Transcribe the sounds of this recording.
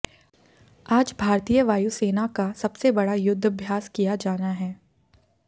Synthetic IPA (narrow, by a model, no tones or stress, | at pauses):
aːd͡ʒbʱaːɾt̪ijəʋaːjuseːnakasɐbsebɐɽajʊd̪ʱːɐbʱjaːskijad͡ʒaːnaɦɛː